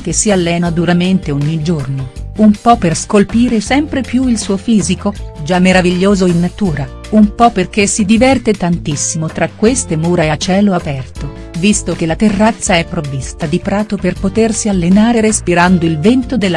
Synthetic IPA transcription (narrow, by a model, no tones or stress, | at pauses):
k̟esialːɛːnad̪uɾament̪eoɲːid͡ʒornoumpɔpːerskolpiːɾesɛmpɾepjuilsuːofiːzikod͡ʒamːeɾaviʎːoːzoinːat̪uːɾa | umpɔpːerk̟esid̪ivɛrt̪et̪ant̪isːimot̪ɾakːwest̪emuːɾaeat͡ʃɛːloapɛrt̪o | vist̪ok̟elat̪erːat̪sːaɛpːɾovːist̪ad̪ipɾaːt̪operpot̪ersialːenaːɾeɾespiɾand̪oilvɛnt̪od̪elː